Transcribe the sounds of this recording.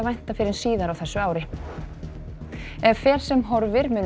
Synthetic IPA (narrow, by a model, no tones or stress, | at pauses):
vajn̥t̪afɪɾɪsiːðaɾawθɛsːʏaːwɾɪ | ɛvfɛːɾ̥sɛmɦɔɾvɪɾmʏːn